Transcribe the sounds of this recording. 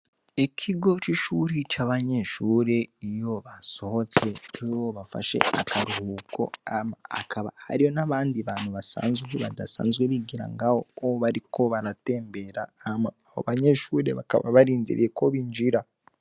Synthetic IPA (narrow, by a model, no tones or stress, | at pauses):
ikʰiɡo̞t͡ʃiʃuɾit͡ʃaβaɲe̞ʃuːɾe̞ijo̞βaso̞hot͡se̞ijoβafa̰ʃe̞̰a̰kʰaɾuhuːkʰo̞̰amaa̰kʰaβa̰ha̰ɾijo̞naβaːndiβaːnhuβasa̰ːnzɡweβa̰dasa̰ːnzɡweβiɡiɾa̰ŋɡaho̞oβaɾikʰo̞βaɾate̞ːmbe̞ɾaːmaːho̰βaɲe̞ʃuːɾe̞βaka̰βa̰βaɾiːnzḭɾḭjeko̞βiːnd͡ʒiɾa